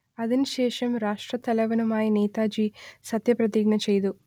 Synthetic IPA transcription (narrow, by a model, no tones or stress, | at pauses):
ɐd̪iniʃɛːʃɐmɾaːʂʈɾɐt̪ɐlɐʋɐnɐmaːjiniːt̪aːd͡ʒiːsɐt̪jɐpɾɐt̪iːɡnɐt͡ʃejd̪u